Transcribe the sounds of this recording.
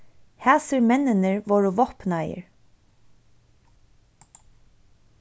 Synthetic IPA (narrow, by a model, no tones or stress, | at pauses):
hæːsəɾmɛnːɪnəɹʋɔːɹʊʋɔhpnajə̰ɹ